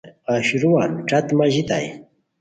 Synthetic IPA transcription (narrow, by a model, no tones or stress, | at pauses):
aʃɾʊwanʈ͡ʂat̪maʒɪt̪a̰j